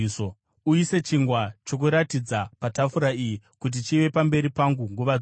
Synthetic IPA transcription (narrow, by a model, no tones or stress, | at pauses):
so | uise̞t͡ʃiŋɡwat͡ʃo̞k̬uɾatid͡zapatafuɾaiji | kut̬it͡ʃiʋe̞pambe̞ɾipaŋɡuŋɡuʋad͡z